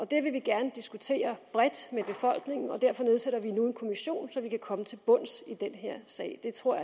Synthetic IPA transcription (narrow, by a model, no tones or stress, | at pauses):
ʔɒ̽d̥e̝ʋe̝ʋiɡ̥æɐnəd̥isɡ̥ut͡sʰe̝̰ːɐb̥ʁɛd̥meb̥e̝fɒ̽l̰ɡ̥ne̝ŋn̩ɒ̽d̥æɐ̰fɒ̽ne̝ð̞ˠseɾ̥ɐʋinunkʰo̝miɕo̝̰ːnsɒ̽ʋikʰækʰɒ̽mət͡sʰe̝lb̥ɔ̽n̰sid̥enɦeɐ̰sɛ̰ːɪd̥e̝t͡sʰʁo̝ɐ̰ja